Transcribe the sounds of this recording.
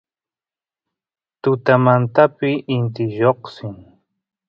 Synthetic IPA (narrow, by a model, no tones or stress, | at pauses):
t̪ʊt̪amant̪apɪʔɪnt̪ɪʒoχsɪŋ